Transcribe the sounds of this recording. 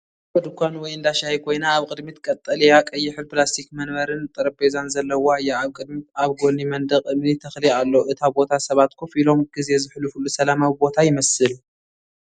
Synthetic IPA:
bɐd̪ɨkʷʰanwɔjɨnd̪aʃajikʰo̞jnaːβkʼɨd̪mit̪kʼɐt̪ʼːɐlɐjakʼɐjːɪħɨɾplast̪ʰikmɐnβɐɾɨnt̪ʼɨɾɐbezanzɐlːɐwoajːaːβkʼɨd̪mitaβɡo̞nimɐnd̪ɐkʼɨmnit̪ʰɐxlialːoʔɨt̪ʰabo̞t̪ʰasɐβat̪kʰofilo̞mɡ̥ize̞zɨħlufɨlːusɐlamawibo̞t̪ʰajɪmɐsɨl

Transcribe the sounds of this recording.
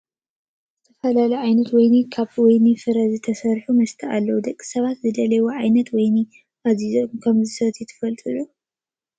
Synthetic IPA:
zɨt̪ʰɐfɐlalɐjʕajnɐt̪wɔjnikʰaβwɔjnifɨɾɐzɨt̪ʰɐsɐɾħumɐst̪ʰɐʔa̰lːɐwud̪ɐkʼːi̥sɐβat̪zɨd̪ɐlɐwoʕajnɐt̪wɔjnɨ | ʔazizomkʰɐmzɨsɐt̪ʰjɪt̪ʰɨ̥fɐlt̪ʼɨlu

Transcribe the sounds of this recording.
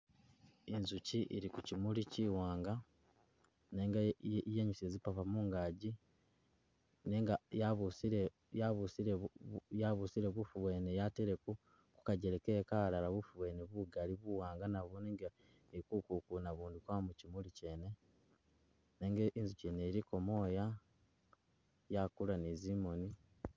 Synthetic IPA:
inzuciʔiɾikucimuliciːwaːŋɡa | neːŋɡajeːɲuseːzipapamuːŋɡaːɟi | neːŋɡajaβusiɾe | aβusiɾejaβusiɾeβufuβweːnejateɾeku | ku̥kaɟeɾekeːkalalaβufuβwe̞ːneβuɡaliβuwaːŋɡanaβuneːŋɡa | eikukukunaβuːndikwamucimulice̞ːne̞ | neːŋɡeiːnzuceːneɾiko̞mo̞ːja | jakulanizimo̞ni

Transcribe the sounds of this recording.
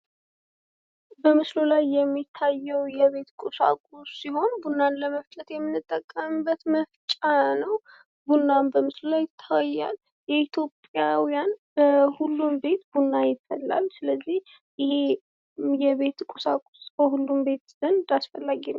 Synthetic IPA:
bəmɨslulajːɛmːit̪ʰːajːɛwjɛβe̞t̪kʼusa̰kʼusːiho̞nbunːanləməft͡ʃʼət̪jɛmːɨnːɨt̪ʼːəkʼːəmɨbːət̪məft͡ʃʼanəw | bunːambəmɨslulajt̪ʰːəwjːa̰l | jɛit̪ʰjo̞pʼjawijanb̥əhulːumbe̞t̪bunːajɪfːəlːa̰lsɨləzːih | ɪhe | jɛβe̞t̪kʼusakʼu̥sbəhulːumbe̞t̪z̥ənd̪asfəlːaɡinː

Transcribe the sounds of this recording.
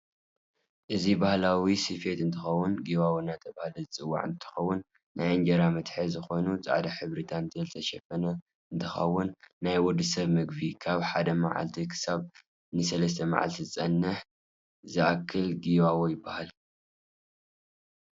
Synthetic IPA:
ʔɨzibahlawisɨfe̞t̪ɨnt̪ʰɨxɐwːʊnɡiwawinːat̪ʰɐbahlɐzɨt͡sʼɨwːa̰ʕɨnt̪ʰɨ̥xɐwːʊnː | ajɨnd͡ʒɐɾamɐt̪ħezɨxo̞nut͡sʼa̰ʕd̪aħɨβɾit̪ʰant̪ʰɨzɐzt̪ʰɐʃɛfɐnɐ | ɨnt̪ʰɨxɐ̰wːʊnːajwɔd̪ɨsɐβmɨɡbikʰaβħad̪ɐma̰ʕa̰lt̪ʰikʰɨ̥saβ | nɨsɐlɐst̪ʰɐma̰ʕa̰lt̪ʰizɨt͡sʼɐnːɨħ | zɨʔakʰːɨlɡiwawojɪbːahal

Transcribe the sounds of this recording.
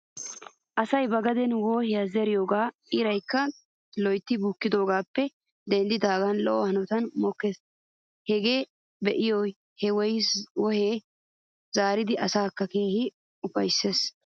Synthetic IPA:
ʔɐsɐjbɐɡɐd̪ɛnwɔːhɛjɐzɛɾɪjoːɡaːʔɪɾɐjkːɐ | lɔjt̪ːɪbukːɪd̪o̞ːɡaːpːɛ | d̪ɛnd̪ɪd̪aːɡɐnlɔʔɔhɐnɔt̪ɐnmɔkːes | hɛɡeː | bɛʔɪjoj | hɛwɔjwɔheː | zaːɾɪd̪ɪʔɐsaːkːɐke̞ːhɪ | ʊbɐjsːe̞ːs

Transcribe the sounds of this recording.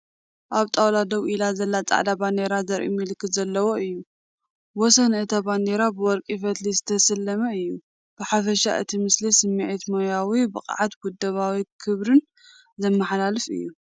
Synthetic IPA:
ʔaβt̪ʼawlad̪ɐwʔilazɐlːat͡sʼa̰ʕd̪aband̪eɾazɐɾʔḭmɨlɨkːɨt̪zɐlːɐwoɨjːu | wɔsɐnɨt̪ʰaband̪eɾabɨwɔɾkʼifɐt̪lizɨt̪ʰɐsɨlːɐmɐɨjːu | b̥ɨħafɐʃa̰ʔɨ̰t̪ʰimɨslisɨmːiʕit̪mojawibɨqʼʕat̪ɡud̪ːɐβawikʰɨβɾɨn | zɐmːɐħlalɨfɨ̰jːu

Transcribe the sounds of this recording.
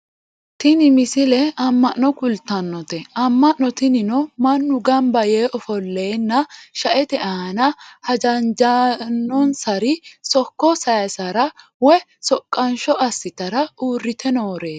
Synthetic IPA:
t̪ɪnɪmɪsɪlɛɐmːɐʔnɔkʊlt̪ːɐnːɔt̪ɛʔɐmːɐʔːɔt̪ɪnɪnɔmɐnːʊɡɐmbɐjeːʔɔfɔlːeːnːɐʃɐʔɛt̪ɛʔɐɐnɐhɐd͡ʒɐnd͡ʒɐnːɔnsɐɾɪsɔkːɔsɐjɐsɐɾɐ | wɛ | sɔkʼːɐnʃɔʔɐsːɪt̪ɐɾɐuːrːɪt̪ʰɛnoːɾeː

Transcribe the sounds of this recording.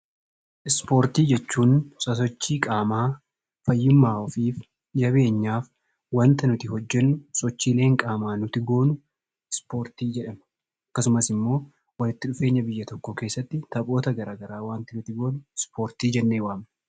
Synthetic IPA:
ʔɪspo̞ːɾt̪iːd͡ʒɛt͡ʃːuːnsɐs̬ɔt͡ʃːiːkʼaːmaː | fɐjːɪmːaːɔfiːf | d͡ʒɐβe̞ːɲːaːf | waːnt̪ɐnʊt̪ɪɦɔd͡ʒːɛnːʊsɔt͡ʃːiːle̞ːŋkʼaːmaːnʊt̪ɪɡo̞ːnʊ | ɪspo̞ːɾt̪iːd͡ʒɛᶑɐm | ɐkːɐsʊmɐsɪmːo̞ː | wɐlɪt̪ːɪᶑʊfe̞ːɲːɐbɪjːɐt̪ɔkːɔke̞ːsːɐt̪ːɪt̪ɐpʼo̞ːt̪ɐɡɐɾaːɡɐɾaːwaːnt̪ɪnʊt̪ɪɡo̞ːnʊɪspo̞ːɾt̪iːd͡ʒɛnːeːwaːm

